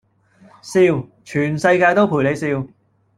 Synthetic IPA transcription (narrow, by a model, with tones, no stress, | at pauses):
siː˧wt͡ʃʰyː˨˩nsɐ˧jkaː˧jt̪o˥wpʰu˨˩jle˨˧jsiː˧w